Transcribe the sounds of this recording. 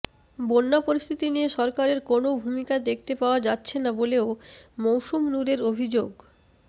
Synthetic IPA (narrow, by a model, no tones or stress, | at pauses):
bonːapoɾist̪ʰit̪inijeʃɔɾkaɾeɾkonobʱumikad̪ekʰt̪epaoad͡ʑatːɕʰenaboleomowʃumnuɾeɾobʱid͡ʑoɡ